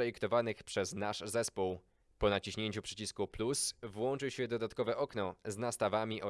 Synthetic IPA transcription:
ɛjikt̪ɔvanɘxpʂɛznaʂzɛspuw | pɔnat͡ɕiɕɲeɲt͡ɕupʂɛ̥t͡ɕiskuplusvwɔnt͡ʂɘwɕɛd̪ɔd̪at̪kɔvɛʔɔknɔznast̪avamʲiʔɔ

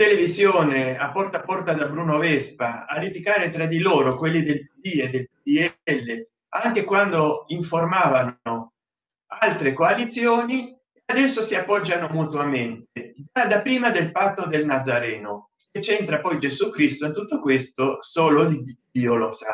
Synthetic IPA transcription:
t̪elevizjoːneapːɔrt̪apːɔrt̪ad̪abɾuːnovɛspaa̰ɾit̪ikaːɾet̪ɾad̪iloːɾokwelːid̪elpid̪ied̪ːelpid̪iɛɛlːe | aŋk̟ekwand̪oiɱformaːvano | alt̪ɾekoalit̪sjoːni | ead̪ɛsːosiapːɔd͡ʒːanomut̪wament̪̚ed͡ʒad̪apːɾiːmad̪elpat̪ːod̪elnad̪zːaɾɛːno | ket͡ʃːɛnt̪ɾapɔjd͡ʒezukɾist̪oint̪ut̪ːokwest̪osoːlod̪iid̪iːolosa

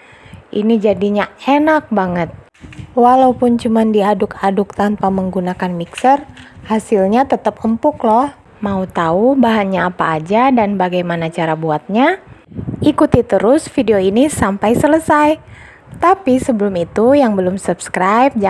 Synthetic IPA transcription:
ʔḭnid͡ʒadiɲaɛnak̚baŋət̪̚ | walaupʊnt͡ʃumandiadʊkʰadʊk̚t̪anpaməŋɡunakanmiksərhasilɲat̪ət̪əpəmpʊklɔh | maut̪aubaɦaɲaːpaːd͡ʒadanbaɡajmanat͡ʃaɾabuat̪̚ɲa | ikut̪it̪əɾʊsfideoinisampajsələsaj | t̪apisəbəlʊmit̪ujaŋbəlʊmsupskɾajp̚d͡ʒ

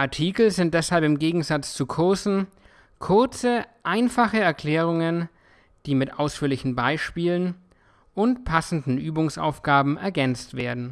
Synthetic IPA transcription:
ʔaɐtʰiːkl̩zɪnt̚d̥ɛshalpɪmɡeːɡŋ̩zat͡st͡sukʰʊɐsn̩ | kʰʊɐt͡səʔaɪnfaχəɛɐkʰl̥ɛːʁ̞ʊŋən | d̥iːmɪtʔaʊsfyːɐlɪçn̩baɪʃpiːlən | ʔʊntpʰasn̩dn̩ʔyːbʊŋsa̰ʊfɡ̥aːbm̩ɛɐɡɛnt͡stv̥ḛːɐdn̩

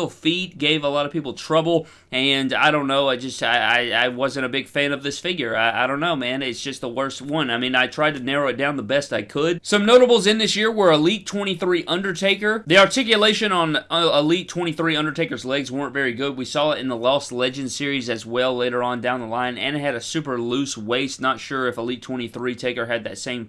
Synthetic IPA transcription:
l̩ˠfit̚ɡ̥eɪvəlɔɾʌv̥pipl̩ˠtʰɹ̥ʌbl̩ˠ | ɨ̃na̰ɪɾõʊ̃nːoʊaɪd͡ʒʌstaɪa̰ɪa̰ɪwʌzɨ̃nɾ̃ɨbɪɡ̥fæ̃nʌvðɪsfɪɡjə˞aɪa̰ɪɾõʊ̃nːoʊmæ̃nɪtsd̥ʒ̥ʌst̪̚ðəwɜ˞st̚wʌ̃naɪmĩnaɪtʰɹ̥aɪd̚tʰɨnɛɹoʊɨt̚d̥ãʊ̃nðəbɛstaɪkʰəd̚sʌ̃mnoʊɾəbl̩ˠzɨ̃nðɪsjɪɹwə˞əlitʰw̥ɛ̃ɾ̃iθɹiʔʌ̃ndə˞tʰeɪkə˞ðiɑɹtʰɪkjɨleɪʃɨ̃nə̃nəlitʰw̥ɛ̃ɾ̃iθɹiʌ̃ndə˞tʰeɪkə˞zlɛɡzwɜ̃˞ntvɛɹiɡʊd̚wisɔɪɾɨ̃nðəlɔsˡlɛd͡ʒɨ̃nd̥sɪɹizɨzwɛlˠleɪɾə˞ə̃ndãʊ̃nðəlãɪ̃nɨ̰̃nɨt̚hɨɾɨsʉpə˞lʉsweɪsnətʃʊɹɨfəlitʰw̥ɛ̃ɾ̃iθɹitʰeɪkə˞ɨd̪̚ðɨtsẽɪ̃m

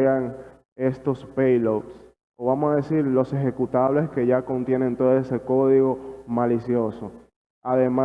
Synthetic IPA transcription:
eaŋ | e̞st̪o̞spejlops | oβamosaðesiɾlo̞se̞xe̞kut̪aβle̞ske̞ʝako̞nt̪je̞ne̞nt̪oðoese̞ko̞ðiɣo̞malisjo̞so | aðema

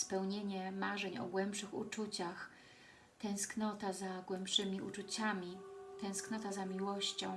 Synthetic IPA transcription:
spɛwɲeɲɛmaʐɛɲɔ̰ɡwɛmpʂɘxṵt͡ʂut͡ɕax | t̪ɛ̃w̃sknɔt̪azaɡwɛmpʂɘmʲiṵt͡ʂut͡ɕamʲit̪ɛ̃w̃sknɔt̪azamʲiwɔɕt͡ɕɔ̰̃w̃

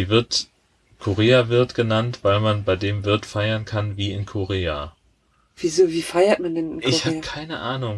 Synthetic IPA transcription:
iːvɪɐt | kʰoʁeːavɪɐtɡ̥ənantv̥aɪlmanbaɪdeːmvɪɐtfaɪɐnkʰanviːɪnkʰoʁeːa | v̥iːzoːviːfaɪɐtmandɛnɪnʔkɪçhaːbkʰaɪnə̰ʔaːnʊŋ

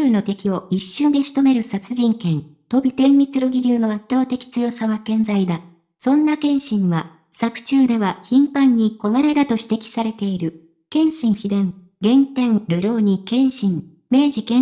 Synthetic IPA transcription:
ɨːno̞t̪e̞kʲio̞iɕːɨ̃nd̪e̞ɕi̥t̪o̞me̞ɾɯ̟sat͡sɨʑĩŋkẽ̞ŋt̪o̞bʲit̪ẽ̞mːʲit͡sɨɾoɡʲiɾʲɨːno̞at̪ːo̞ːt̪e̞kʲi̥t͡sɨjo̞saβakẽ̞nd͡zaid̪a | sõ̞nːakẽ̞ɰ̃ɕĩɰβa | sakɯ̟̥t͡ɕɨːd̪e̞βaçĩmpãɲ̟ːiko̞maɾe̞d̪at̪o̞ɕi̥t̪e̞kʲi̥saɾe̞t̪e̞iɾɯ̟ | kẽ̞ɰ̃ɕĩɰçid̪ẽ̞ŋ | ɡẽ̞nt̪ẽ̞ŋɾɯ̟ɾʲo̞ːɲ̟ikẽ̞ɰ̃ɕĩŋ | me̞ːʑikẽ

